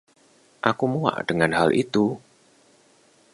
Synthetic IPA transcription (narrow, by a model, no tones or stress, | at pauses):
ʔakumua̰ʔɖ̥əŋanhalʔḭt̪u